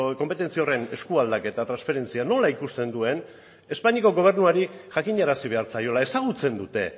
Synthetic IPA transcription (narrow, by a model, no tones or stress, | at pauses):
ko̞mpe̞t̪e̞nt͡sio̞re̞ne̞skuald̪ake̞t̪at̪ɾansfe̞ɾe̞nt͡siano̞laikust̪e̞nd̪ue̞n | e̞spaɲiko̞ɣo̞β̞e̞ɾnuaɾiʝakiɲaɾasiβ̞e̞aɾt͡sajo̞lae̞saɣut͡se̞nd̪ut̪e̞̰